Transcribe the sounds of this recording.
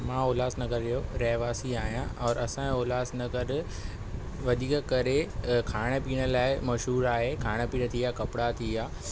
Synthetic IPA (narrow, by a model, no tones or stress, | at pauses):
mãːoːlaːsnɐkəɾɾijoɾɐɦʋaːsiaːɦijãɔːɾɐsãoːlaːsnɐkɐɾɪ | ʋɐd̪ʱiːkkɐɾekʰaːɽ̃ə̆piːɽ̃ə̆laːɪmɐʃɦuːɾaːɦekʰaːɽ̃ə̆piːɽ̃t̪ʰijaːkɐpɽat̪ʰijaː